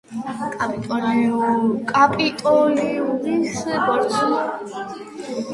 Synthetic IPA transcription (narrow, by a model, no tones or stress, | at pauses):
kʼapʼit̪ʼɔniɔkʼapʼit̪ʼɔliulisbɔɾtsʰn